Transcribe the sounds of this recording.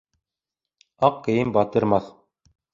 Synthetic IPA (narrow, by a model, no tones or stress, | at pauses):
ɑqkɘ̆jɘmbɑt̪ɤ̆ɾmɑθ